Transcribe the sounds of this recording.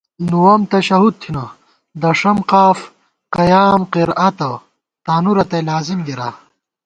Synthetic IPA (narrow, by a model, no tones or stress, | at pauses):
nuwɐmt̪ɐɕɐɦud̪̚t̪ʰinɐ | d̪ɐʂɐmqaːf | qɐjaːmqiɾɐt̪ɐ | t̪aːnuɾɐt̪ɐlaːzimɡiɾa̰ː